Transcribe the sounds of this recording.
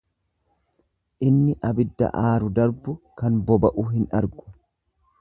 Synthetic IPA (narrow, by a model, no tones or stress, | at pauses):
ʔɪnːɪʔɐbɪd̪ːɐ̰ʔaːɾʊd̪ɐɾbʊkɐnbɔbɐʔuːɦɪnʔɐɾɡʊ̥